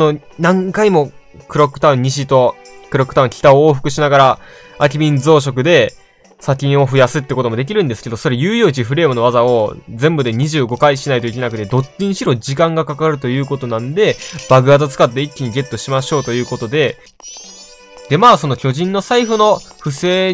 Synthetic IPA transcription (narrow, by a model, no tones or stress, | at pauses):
sono̞ | nãŋkaimo̞ | kɯ̟ɾo̞kːɯ̟̥t̪aɯ̟̃ɲ̟ːiɕ̬it̪o̞kɯɾo̞kːɯ̟t̪aɯ̟ŋkʲi̥t̪aoːɸɯ̟kɯ̟ɕinaɡaɾa | ak̬ʲibʲĩnd͡zo̞ːɕ̬o̞k̬ɯ̟d̪e̞ | sakʲĩɰ̃o̞ɸɯ̟jasɨt̪ːekot̪omo̞d̪e̞k̬ʲiɾɯ̟̃nd̪esɨ̥ke̞d̪o̞so̞ɾe̞jɯːjoːt͡ɕiɸɯ̟ɾe̞ːmɯ̟no̞βazao̞zẽ̞mbɯ̟d̪e̞ɲ̟iʑɨːɡo̞kaiɕinait̪o̞ik̬ʲe̞nakɯ̟t̪e̞d̪o̞t͡ɕːiɲĩɕiɾo̞d͡ʑikãŋɡakakaɾɯ̟t̪o̞jɯ̟ːko̞t̪o̞nãnd̪e̞b̥aɡɯ̟at̪ot͡sɨ̥kat̪ːe̞ikʲːiɲ̟iɡe̞t̪ːo̞ɕimaɕo̞ːt̪o̞jɯ̟ːko̞t̪o̞d̪e̞ | d̪̥e̞maːso̞no̞kʲo̞ʑĩnːo̞saiɸɯ̟no̞ɸɯ̟se̞ː